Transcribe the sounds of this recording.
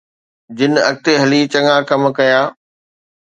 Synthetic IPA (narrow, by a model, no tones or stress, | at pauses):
d͡ʑɪnɐ̰k̚t̪eɦɐlit͡ɕɐŋakɐm̆kɐjaː